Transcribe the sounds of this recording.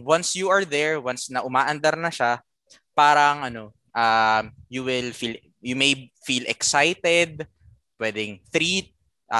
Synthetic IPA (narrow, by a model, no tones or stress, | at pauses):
wɐnsjuɐɹðɛɹwansnɐʔʊmaːʔɐnd̪ɐɾnɐʃa | paːɾɐŋʔɐno̞ | ʔajuwɪlfil | jumejfiːlʔɛksajt̪ɛd̪̚ | pwɛːd̪ɪŋθɾit̪̚ | ʔa